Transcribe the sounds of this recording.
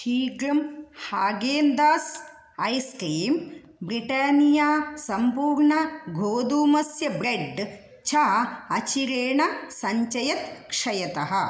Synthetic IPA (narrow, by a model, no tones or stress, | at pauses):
ʈʰiːɡɾɐmhaːɡeːnd̪aːs | ɐjskɾiːm | bɾiʈaːnijaːsɐmpuːɾɳɐɡʱoːd̪uːmɐsjɐbɾeɖ | t͡ʃʰaːɐt͡ʃiɾeːɳɐsɐɲt͡ʃɐjɐt̪kʂɐjɐt̪ɐɦɐ̆